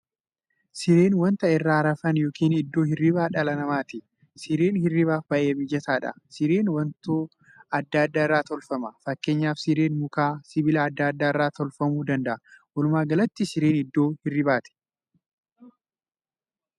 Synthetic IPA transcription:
sɪɾeːnwɐnt̪ɐɪrːaːɾɐfɐnjo̞ːkiːnɪd̪ːo̞ːhɪrːɪbaːᶑɐlɐnɐmaːt̪ɪ | sɪɾeːnhɪrɪβaːfbɐʔeːbɪd͡ʒːɐt̪aːᶑɐ̰sɪɾeːnwɐnt̪oː | ɐd̪ːaːɐd̪ːaːɪrːaːt̪ɔlfɐmɐfɐkːe̞ːɲːaːfsɪɾeːnmʊkaːsɪbɪlɐːd̪ːaːd̪ːaːɪrːaːt̪ɔlfɐmuːd̪ɐnd̪ɐʔɐwɐlʊmaːɡɐlɐt̪ːɪsɪɾeːnɪd̪ːo̞ːhɪrːɪbaːt̪ɪ̥

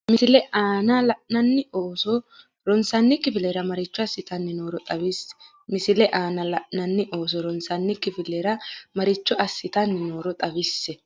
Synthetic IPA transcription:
mɪsɪlɛʔaːnɐlɐʔnɐnːɪoːsɔ | ɾɔnsɐnːɪkːɪfɪlɛɾɐmɐɾɪt͡ʃːɔɐsːɪt̪ɐnːɪnoːɾɔt̪ʼɐbɪs | mɪsɪlɛʔaːnɐlɐʔnɐnːɪʔo̞ːs̬ɔɾɔnsɐnːɪkːɪfɪlːɛɾɐmɐɾɪt͡ʃːɔɐsːɪt̪ɐnːɪno̞ːɾɔt̪ʼɐβɪsːɛ

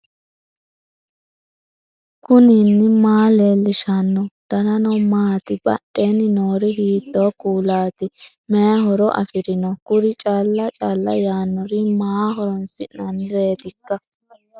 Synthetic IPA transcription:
kʊniːnːɪmaːlelːɪʃɐnːɔd̪̥ɐnɐnɔmaːt̪ɪbɐ̰ɗːeːnɪnoːɾɪɦiːt̪ːoːkuːlaːt̪ɪ | mɛɦɔɾɔʔɐ̰fɪɾɪnɔkʊɾɪt͡ʃʼaːlːɐt͡ʃʼaːlːɐ̰jaːnːɔɾɪmaːɦɔɾɔnsɪʔnɐnɪɾe̞ːt̪ɪkːɐ

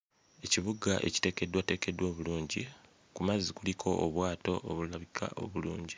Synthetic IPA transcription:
e̞ciβuɡaʔe̞̰ci̥te̞ːke̞dwate̞ːke̞dwo̞ːβuluːɲɟi | kumazːikulikʰo̞ʔoβwaːto̞ʔoβulaβikʰa̰ʔo̞̰βuluːɲɟi

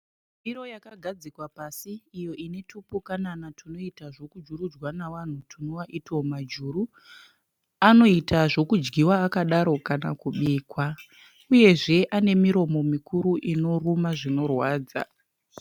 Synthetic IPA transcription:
biro̞jakaɡʱad͡zikwapasiːjo̞ine̞tʰupukananatʰuno̞itaʐo̞kud͡ʒurud͡zwanaʋan̤utʰunoʋaʔitomad͡ʒuːɾu | ano̞itaʐo̞kud͡ʒɡiwaːkaɗaɾo̞kanakuɓiːkwa | uje̞ʐe̞ʔane̞miɾo̞mo̞mikuɾuʔino̞rumaʐino̞rwaːd͡za̰

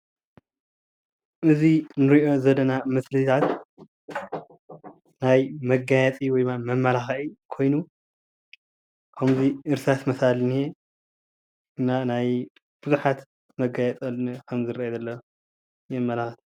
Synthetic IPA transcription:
ʔɨzinɨɾiʔo̞zɐdɐnamɨslɨt̪ʰat̪ | najmɐɡajɛt͡sʼiwɔjmamɐmːɐlaxikʰo̞jnu | kʰɐmziʔɨɾsat̪mɐsalnie | ɨnːanaj | b̥ɨzuħat̪ | mɐɡajɛt͡s̪ʼɐlnikʰɐmzɨɾaɐd̪ɐlːɐ | jɛmːɐlaxt̪

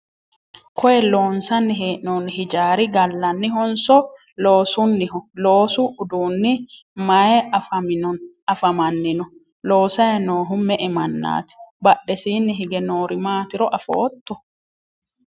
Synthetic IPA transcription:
kɔjɛlo̞ːnsɐnːɪɦeːʔnoːnɦɪd͡ʒaːɾɪɡɐlːɐnːɪɦɔnsɔ | lo̞ːsʊnːɪɦɔlo̞ːsʊʊd̪uːnːɪ | mɐjɛɐfɐmɪnɔn | ɐfɐmɐnːɪnɔ | lo̞ːsɐjɐnoːɦʊmɛʔɛmɐnːa̰ːt̪ɪ̥bɐɗːɛsiːnːɪɦɪɡɛno̞ːɾɪmaːt̪ɪɾɔʔɐfo̰ːt̪ːɔ

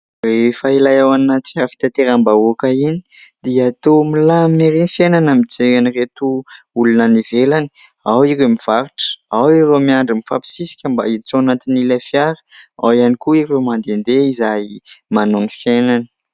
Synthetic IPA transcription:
refailajawanat̪iafi̥t̪at̪eɾambaukaini̥d̪iat̪omilameɾinfjenanamid͡zeŋaniret̪u | ulunənivelani̥ | awiɾemiv̥aɾiʈ͡ʂə̥awiɾemiaɳɖ͡ʐimifapi̥sisi̥kʲəmba̰iit͡soanat̪inilafjaɾə̥a̰wianikuiɾewmand̪end̪eizajmanonifjenanə̥

